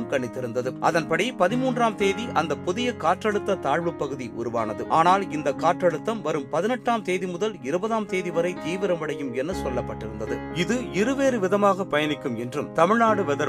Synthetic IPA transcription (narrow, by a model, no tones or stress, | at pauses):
mkɐɳːɪt̪ːɪɾɯnd̪ɐðɯʔɐ̰ðɐnpɐɽipɐðɪmuːndraːmt̪eːðiʔɐnd̪ɐpʊðɪjɐkaːʈrɐɻɯt̪ːɐt̪aːɻʋɯpːɐɣɯðiʔʊ̰ɾɯʋa̰ːnɐðɯʔaːnaːlɪnd̪ɐkːaːʈrɐɻɯt̪ːɐmʋɐɾɯmpɐðɪnɛʈraːmt̪eːðimʊðɐlɪɾɯbɐðaːmt̪eːðiʋɐɾɐɪt̪iːʋɪɾɐmʋɐɽɐjɯmɛnːɐsɔlːɐpːɐʈːɪɾɯnd̪ɐðɯɪðɯɪɾɯʋeːɾɯʋɪðɐmaːɣɐpɐjɐnɪkːɯmɛndrɯmt̪ɐmɪɻnaːɽɯʋɛðɐ